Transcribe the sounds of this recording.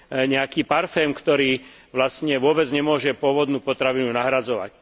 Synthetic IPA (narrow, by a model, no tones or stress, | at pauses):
ɲɛakiːpaɾfɛːmkt̪ɔɾiː | ʋlastɲɛʋʊɔbɛd͡zɲɛmʊɔʒɛpʊɔʋɔd̪nuːpɔt̪ɾaʋinunaɦɾad͡zɔʋa̰c